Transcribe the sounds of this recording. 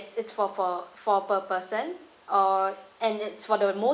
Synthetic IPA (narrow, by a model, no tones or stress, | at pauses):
sɪtsfɔfɔfɔpəpəsə̃n | ɔɛ̃nɪtsfɔdəmo